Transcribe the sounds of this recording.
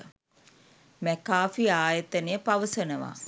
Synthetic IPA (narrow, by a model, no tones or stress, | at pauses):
mækaːfiaːjət̪ənejəpaʋəsənəʋa̰